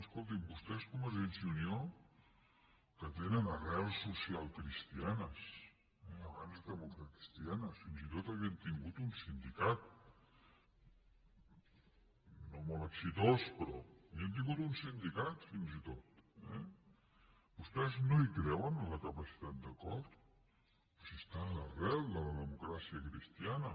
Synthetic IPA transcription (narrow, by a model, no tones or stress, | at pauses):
əskolˠt̪̬imbust̪ɛskɔməʒensiunio | kət̪enənərɛlˠsːusialˠkɾist̪ianəs | ɛəβanzðəmukɾət̪i̥st̪ianəfinzit̪ot̪əβiənt̪iŋɡut̪unsind̪ikat̪̚ | nomoləksit̪ospɾɔaβiənt̪̬iŋɡut̪unsind̪ikat̪finzit̪ot̪ɛ̰ | bust̪ɛznoikɾɛwənləkəpəsi̥t̪at̪̚d̪əkɔɾt̪ | sist̪aːlərɛlˠd̪ələðəmukɾasiəkɾist̪ianə